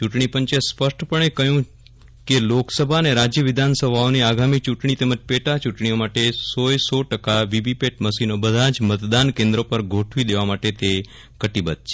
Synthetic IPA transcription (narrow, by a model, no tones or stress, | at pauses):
t͡ʃuʈɳipəɲt͡ʃespəʃʈʰpəɳekəɦjũ | keloksəbʱaneɾad͡ʒjəʋɪd̪ʱansəbʱaoniaɡamit͡ʃuʈɳ̃it̪eməd͡ʒpeʈat͡ʃuʈɳiomaʈesojsoʈəkaʋibʱipeʈ̚məsinobəd̪ʱad͡ʒmət̪d̪ankẽnd̪ɾopəɾɡʱoʈʰʋid̪eʋamaʈet̪e | kəʈibət̪̚t͡ʃʰe